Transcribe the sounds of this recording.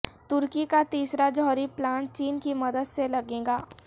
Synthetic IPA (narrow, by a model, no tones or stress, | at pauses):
t̪ʊɾkikat̪iːsɾad͡ʒɔːɾiplaːɳʈ̚t͡ʃiːnkimɐd̪əd̪selɐɡẽːŋɡaː